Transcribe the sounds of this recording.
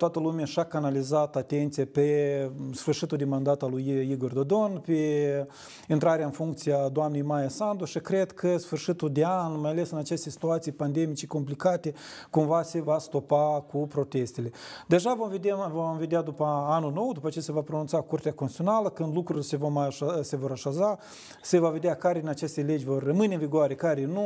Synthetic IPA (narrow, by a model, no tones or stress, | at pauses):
t̪oat̪əlumeaʃakanalizat̪at̪e̞nt̪sijape̞sfɨrʃit̪uld̪emand̪at̪alujiɡo̞rd̪o̞d̪o̞npe | int̪ɾaɾeaɨnfuŋkt̪sijad̪oamne̞jmajasand̪oʃikɾe̞d̪kʰəsfɨrʃit̪ud̪eanmajale̞sɨnat͡ʃest̪esi̥t̪uat̪sijepand̪e̞mit͡ʃeko̞mplikat̪e̞kumvase̞vast̪o̞pakupɾo̞t̪e̞st̪e̞le̞d̪e̞ʒavomved̪vomve̞d̪ead̪upəanulno̞wd̪upəat͡ʃe̞jasevapɾonunt̪sakurt̪eakosit̪sio̞naləkɨnd̪lukɾuɾilesevomase̞vo̞ɾaʃaza | se̞vave̞d̪eakaɾenat͡ʃe̞st̪ele̞d͡ʒʲvo̞rːəmɨnʲeɨnviɡoaɾe̞kaɾenu